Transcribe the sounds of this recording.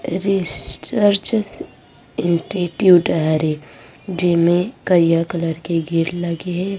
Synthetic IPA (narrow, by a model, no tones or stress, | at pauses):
ɾissəɾt͡ʃs | ɪ̃nsʈiʈjuːʈaɾe | d͡ʒɪsmẽkəɾijakələɾkeɡʱiɾlɐɡeɦɛ